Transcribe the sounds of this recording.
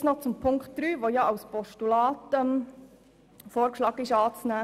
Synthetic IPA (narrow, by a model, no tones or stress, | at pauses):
snɔt͡sʊmpʰʊŋktd̥̪ɾyːʋojɑɑʊspɔʃtulɑːtɛm | foːɾkʃlɑːkɪʃɑːt͡snæː